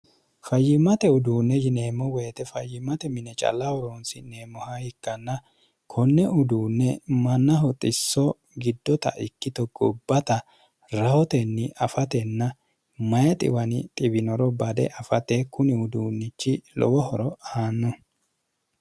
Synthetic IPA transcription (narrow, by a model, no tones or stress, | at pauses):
fɐjːɪmɐt̪ɛʊd̪uːnːɛjɪne̞ːmːɔweːt̪ɛfɐjːɪmɐt̪ɛmɪnɛt͡ʃʼɐ̰lːɐwɔɾonsɪne̞ːmːɔhahɪkːɐnːɐ | kʰɔnːɛʔʊd̪uːnːɛmɐnːɐɦɔt̪ʼɪsːɔ | ɡɪd̪ːɔt̪ɐ̰ʔɪkːɪt̪ɔɡɔbːɐt̪ɐ | ɾɐhɔt̪ɛnːɪʔɐfɐt̪ɛnːɐ | mɐjɐt̪ʼɪ̰wɐnɪt̪ʼɪbɪnɔɾɔbɐd̪ɛ̰ʔɐfɐt̪ekʊnɪʊd̪uːnːɪt͡ʃːɪlɔ̰wɔhɔɾɔaːnːɔ